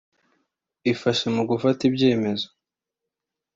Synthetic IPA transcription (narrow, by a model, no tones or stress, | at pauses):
ifaʃemuɡufatibɟe̞ːme̞zo̥